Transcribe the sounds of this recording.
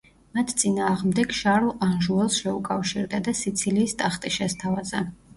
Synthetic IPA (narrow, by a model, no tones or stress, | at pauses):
mat̪ʰt̪sʼinaːʁmd̪ɛɡʃaɾlˠanʒuɛlˠsʃɛukʼafʃiɾd̪ad̪asit̪sʰiliːst̪ʼaχt̪ʼiʃɛst̪ʰavazɛ